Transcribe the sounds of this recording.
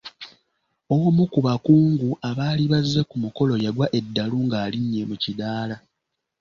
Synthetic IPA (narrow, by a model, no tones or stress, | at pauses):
o̞womukuβakuːŋɡuʔaβaːliβazːe̞kumuko̞lo̞jaɡwaʔe̞dːaluŋɡaːliɲːe̞mucidaːla